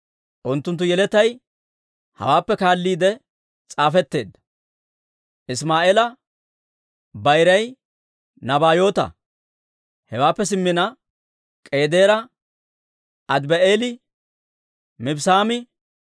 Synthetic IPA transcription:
ʔʊnt̪ːʊnt̪ːʊjɛlɛt̪ɐj | hɐ̰waːpːɛkaːlːiːd̪ɛ | t͡sʼaːfɛt̪ːe̞ːd̪ːɐ̥ | ʔɪsmaːʔeːlɐ | bɐjɾɐj | nɐbaːjo̞ːt̪ɐ̰ | hɛwaːpːɛs̬ɪmːɪnɐ | kʼe̞ːd̪e̞ːɾɐ | ʔɐd̪bɛʔeːlɪ | mɪbsaːmɪ

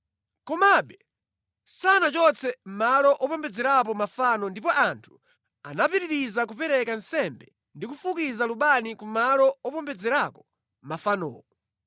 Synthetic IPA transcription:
kɔmaɓɛ | sanat͡ʃɔt͡sɛm̩malɔʔɔpɔmbɛd͡zɛɾap̬ɔmafanɔndipɔʔantʰu̥ | anapiɾiɾizak̬upɛɾɛkansɛmbɛ | ndikufukizaluɓanikumalɔɔpɔmbɛd͡zɛɾakɔ̥ | mafanɔ̰ːɔ

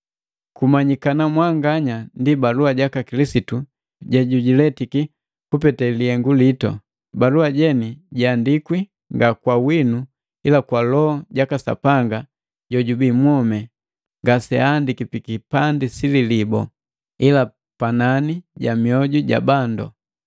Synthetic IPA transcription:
kumaɲikanamwaŋɡaɲandibaluaɟakakilisitu | ɟɛɟuɟilɛtiki | kupɛtɛliɛŋɡulitɔ̰ | baluaɟɛniɟandikwi | ŋɡakwawinu | ilakwalɔɔɟakasa̰paŋɡa | ɟɔɟubimwɔmɛ | ŋɡasɛandikipikipandisililibɔ | ila | pananiɟamiɔɟuɟa̰bandɔ̰

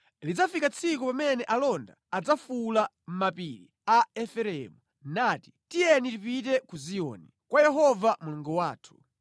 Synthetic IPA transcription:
lid͡zafikat͡sʰikupamɛnɛʔalɔnda̰ad͡zafula | m̩mapiɾi | aɛfɛɾɛmu | naːti̥tijɛnitipit̬ɛkuziɔ̰nikwajɛɦɔvamuluŋɡɔwaːtʰu̥

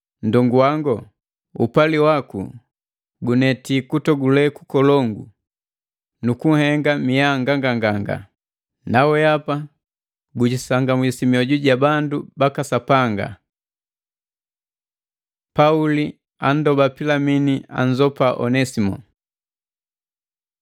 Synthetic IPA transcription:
ndɔŋɡuwaŋɡɔ | upaliwakṵ | ɡunɛtikutɔɡulɛkukɔlɔŋɡu | nukuŋ̩hɛŋɡamijaŋɡaŋɡaŋɡaŋɡa̰ | nawɛapa | ɡuɟisaŋɡamwisimiɔɟuɟabandubakasapaŋɡa̰ | pauli | an̩dɔbapilaminia̰ɲd͡ʒɔpaʔɔ̰nɛsimɔ̰

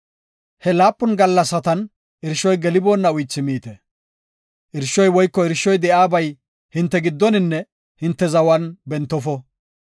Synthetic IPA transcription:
hɛlaːpʼːʊnɡɐlːɐsɐt̪ɐn | ʔɪɾʃːɔjɡɛlɪboːnːɐʊjt͡ʃːɪmiːt̪ɛ | ʔɪɾʃɔjwɔjkːɔɪɾʃːɔjd̪ɛʔaːbɐj | hɪnt̪ːɛɡɪd̪ːɔnɪnːɛ | hɪnt̪ːɛzɐwɐnbɛnt̪ːɔfɔ

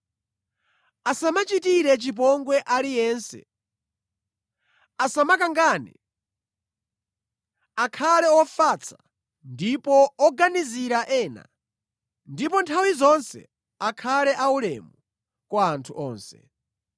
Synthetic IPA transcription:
asamat͡ʃitiɾɛt͡ʃip̬ɔŋɡwɛʔalijɛːnsɛ̰ | asamakaŋɡaːnḭ | akʰalɛɔfat͡sʰḁ | ndipɔɔɡaniziɾaʔɛːna̰ | ndipɔntʰawizɔnsɛ̰ | akʰalɛʔaulɛ̰mu | kwaːntʰuʔɔːnsɛ̥̰

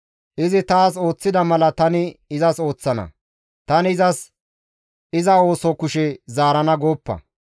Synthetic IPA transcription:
ʔɪzɪt̪aːso̞ːt͡sːɪd̪ɐmɐlɐt̪ɐnɪɪzɐso̞ːt͡sːɐnɐ̰ | t̪ɐnɪɪzɐs | ɪzɐo̞ːsɔkʊʃɛzaːɾɐnɐɡo̞ːpːɐ̰

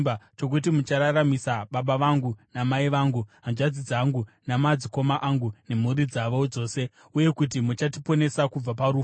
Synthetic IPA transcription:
at͡ʃo̞k̬ut̬imut͡ʃaɾaɾamisaɓaɓaʋaŋɡunamaiʋaːŋɡuɦanʐad͡zid͡zaːŋɡunamad͡ziko̞maʔaŋɡune̞muɾid͡zaʋood͡zo̞ːse̞ | uje̞kut̬imut͡ʃatipo̞ne̞sakub͡vapaɾuː

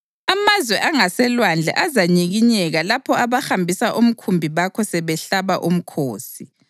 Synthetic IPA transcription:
amazwɛʔaŋasɛlwand͡ɮʱɛ̰ʔazaɲiɣiɲɛɣalapʰɔaβaxambʱisaʔum̩kʰumbʱiβakʰɔsɛβɛɬaβaʔum̩kʰoːsi

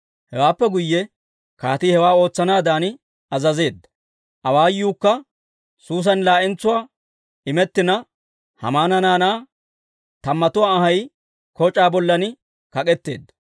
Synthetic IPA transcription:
hɛwaːpːɛɡʊjːɛ | kaːt̪ihɛwaːo̞ːt͡sːɐnaːd̪aːn | ɐzɐze̞ːd̪ːɐ̥ | ʔɐwaːjuːkːɐ | suːs̬ɐnlaːʔɛnt͡sːʊwaː | ɪmɛt̪ːɪnɐ | hɐ̰maːnɐnaːnaː | t̪ɐmːɐt̪ʊwaːɐhɐj | kɔt͡ʃʼaːbɔlːɐnɪ | kɐkʼɛt̪ːe̞̰ːd̪ːɐ

